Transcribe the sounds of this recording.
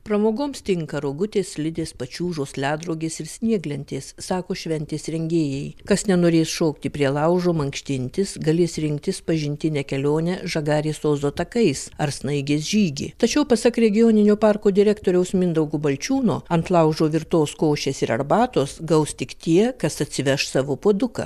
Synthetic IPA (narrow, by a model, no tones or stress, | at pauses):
pɾɐmoːɡoːmst̪ʲɪŋkɐɾoːɡʊt̪ʲeːslʲɪd̪ʲeːspɐt͡ʃʲuːʒoːslʲæːd̪ɾɐʊɡʲeːsɪɾsʲnʲiɛɡlʲɛnʲt̪ʲeːsːɑːkoːʃʲʋʲɛnʲt̪ʲeːsɾʲɛŋʲɡʲeːjɛɪkɐsnʲɛnoːɾʲeːsʃoːkt̪ʲɪpʲɾʲiɛlˠɐʊʒoːmɐŋkʃʲt̪ʲɪnʲt̪ʲɪsɡɐlʲeːsɾʲɪŋk̚t̪ʲɪspɐʒʲɪnʲt̪ʲɪnʲɛkʲɛlʲoːnʲɛʒɐɡɑːɾʲeːsoːzoːt̪ɐkɐɪsɐɾsnɐɪɡʲeːsʒʲiːɡʲɪ̰t̪ɐt͡ʃʲɛʊpɐsɐkɾʲɛɡʲɪjoːnʲɪnʲoːpɑːrkoːd̪ʲɪɾʲæːkt̪oːɾʲɛʊsmʲɪnd̪ɐʊɡʊbɐlʲt͡ʃʲuːno̰ːɐnt̪lˠɐʊʒoːʋʲɪɾt̪oːskoːʃʲeːsɪɾɐ̰ɾbɑːt̪oːsɡɐʊst̪ʲɪkt̪ʲiɛkɐsɐt̪ʲsʲɪʋʲɛʃsɑːʋoːpoːd̪ʊkɐ̰